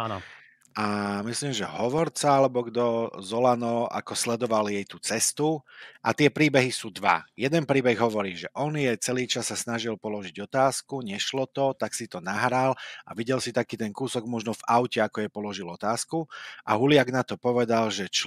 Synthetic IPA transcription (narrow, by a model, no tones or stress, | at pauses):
an | ʔamisliːmʒɛɦɔʋɔɾt͡saalɛbɔɡd̪ɔzɔlanɔa̰kɔslɛd̪ɔʋaljɛjt̪ut͡sɛst̪uʔa̰t̪ɪɛpɾiːbɛɦisuːd̪ʋa̰jɛd̪ɛnpɾiːbɛɣɦɔʋɔɾiːʒɛʔɔnjɛt͡sɛliːt͡ʃasːasnaʒilpɔlɔʒiɟɔt̪aːskuɲɛʃlɔt̪ɔt̪aksit̪ɔnaɦɾalaʋiɟɛlsit̪akiːt̪ɛŋkuːsɔɡmɔʒnɔvaʊcɛakɔjɛpɔlɔʒilɔt̪aːskuʔaɦulɪaɡnat̪ɔpɔʋɛd̪alʒɛt͡ʃ